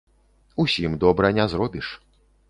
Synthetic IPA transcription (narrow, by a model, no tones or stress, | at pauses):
usʲimd̪ɔbɾɐnʲɛzrɔbʲiʂ